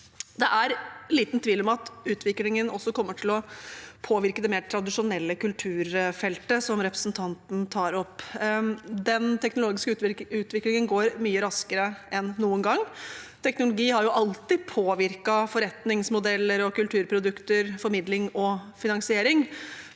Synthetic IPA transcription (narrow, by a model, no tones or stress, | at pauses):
d̪ɛʔæɾliːt̪nt̪ʰʋiːlɔmɑt̪ʉːt̪ʋɪklɪŋənʔɔ̰sːɔkʰɔmːəʈʰɪlɔpʰoːʋɪɾkəd̪ɛmeːʈʰɾɑd̪ɪʂʊnɛlːəkʉlt̪ʰʉːɾfɛlt̪əsɔmɾɛpɾəsnt̪ʰɑnt̪n̩t̪ʰɑːɾɔpː | d̪ɛnt̪ʰɛknʊloːɡɪskəʉːt̪ʋɪklɪŋənɡoːɾmyːəɾɑskəɾəɛnːuːənɡɑŋːt̪ʰɛknʊlʊɡiːhɑɾjʊʔɑlt̪ɪpʰoːʋɪɾkɑfɔɾɛt̪nɪŋsmʊd̪ɛlːəɾɔkʉlt̪ʰʉːɾpʰɾʊd̪ʉkt̪əɾfɔɾmɪd̪lɪŋɔfɪnɑŋsɪeːɾɪŋ